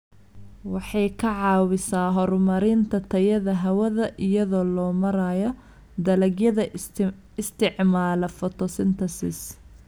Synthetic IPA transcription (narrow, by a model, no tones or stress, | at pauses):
wɑħɑjkʰɐʕɑːwɪsaːɦɔɾmɐɾɪːnt̪ʰɐt̪ʰɐjɐðɐɦɐwɐðɐʔɪjɐðɔːlɔːmɐɾajɔ | d̪ɐlɐɡjɐðɐ | ɪst̪ʰɪʕmaːlɐfɔt̪ʰɔsɪnt̪ʰɐsɪ̰s